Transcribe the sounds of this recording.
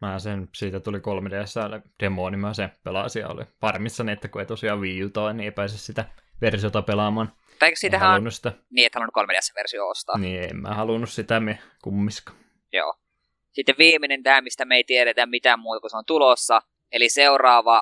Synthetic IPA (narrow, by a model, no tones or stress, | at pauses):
mææsensiːt̪æt̪ulikolmedæsːæld̥emoːnimɑsepelɑ̰siɑ̰o̰lḭpɑrmːisːɑniet̪ːækueit̪osiɑʋʋiːut̪ɑinieˑipæːsessit̪æʋersiot̪ɑpelɑmɑːn | t̪ɑeiksit̪æhælunːussi̥t̪æniːet̪ːæɑnonukolmediæsːæʋḛrsioo̰st̪ɑ̰ːniːḛmmæ̰hɑlunːussit̪æme | kumːiskɑ̥ | jo̰ː | sit̪ːeʋʋiːminent̪æːmist̪æmeit̪ieɾet̪æmmit̪æmmuːt̪ɑkuseont̪ulosːɑ | eliseurɑːʋɑ